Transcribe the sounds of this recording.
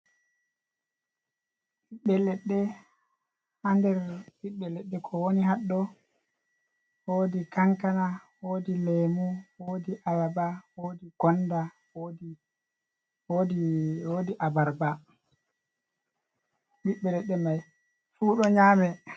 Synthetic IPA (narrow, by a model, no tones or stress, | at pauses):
ɓiɓːɛlɛɗːɛ | handɛɾɓiɓːɛlɛɗːɛkʰɔwoniɦaɗːɔ | woːdikaŋkanawoːdilemuwoːdiʔalabawodiɡ̥ɔnda | wodi | odiwoːdiʔabaɾba | ɓiɓːɛlɛɗːɛmaj | fuːɗɔɲaːmɛ